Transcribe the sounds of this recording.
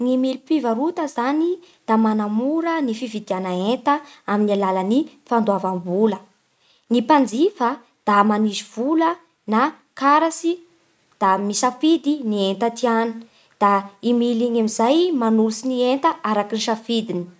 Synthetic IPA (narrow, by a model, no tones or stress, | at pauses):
ŋimilipivaɾut̪əzanid̪̥amanamuɾənifivid̪ianaent̪əaminalaləni | fand̪uavambulə | nipand͡zifə | d̪̥amaniziv̥ulə | na | kaɾasi | d̪̥amisafid̪inient̪at̪iani̥ | d̪̥aimiliɲamizajmanulusinient̪əaɾakiniʃafid̪ini̥